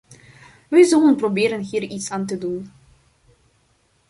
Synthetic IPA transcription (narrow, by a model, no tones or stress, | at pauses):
ʋɛjzalənprobɪːɾənɦiːritsaːnt̬ədun